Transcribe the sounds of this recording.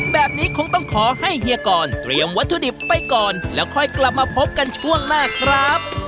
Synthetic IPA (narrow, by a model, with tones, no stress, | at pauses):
bɛː˨˩p̚niː˦˥kʰo˧ŋt̪ɔ˥˩ŋkʰɔː˩˦ha˥˩jɦi˧əkɔː˨˩nt̪ɾi˨˧əmwa˦˥t̪ʰːu˧di˨˩pːa˧jkɔː˨˩nlɛː˦˥wkʰɔː˧˩jkla˨˩p̚maː˧pʰo˦˥p̚ka˧nt͡ɕʰu˥˩əŋnaː˥˩kʰɾa˦˥p̚